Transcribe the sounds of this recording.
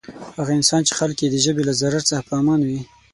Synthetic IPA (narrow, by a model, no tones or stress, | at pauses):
haɣaɪnsɑnt͡ʃe̥xalkjed̪əʒəbelazaɾaɾt͡səxapəɑmɑnwi